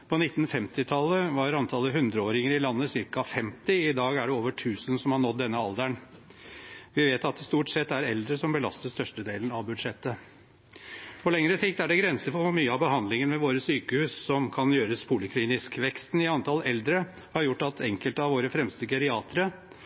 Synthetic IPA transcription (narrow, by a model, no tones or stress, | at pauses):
pʰɔnɪt̪ːn̩fɛmt̪ɪt̪ʰɑlːəʋɑɾɑnt̪ʰɑlːəɦʉnd̪ɾəoːɾɪŋəɾɪlɑnːəsɪɾkɑfɛmt̪ɪɪd̪ɑːɡæɖɛoːʋəʈʰʉːsənsɔmhɑɳɔt̪̚d̪ɛnːəɑld̪æɳ | ʋɪʋeːt̪ɑt̪̚d̪ɛst̪uːʈsɛt̪ːæɾɛld̪ɾəsɔmbəlɑ̰st̪əst̪œʂʈəd̪eːlənɑʋbʉd̪ʂɛt̪ːə | pʰɔlɛŋɾəsɪkt̪æɖɛɡɾɛnsəfɔfɔmyːəɑbəɦɑnlɪŋənmɛʋoːɾəsyːkəhʉːssɔmkʰɑnjøːɾəspʰuːlɪkʰliːnɪskʋɛkst̪n̩ɪɑnt̪ʰɑlɛld̪ɾə | hɑɾjʊʈːɑt̪ʰɛŋkəlt̪ɑʋoːɾəfɾɛmst̪əɡɛɾɪɑːt̪ʰəɾə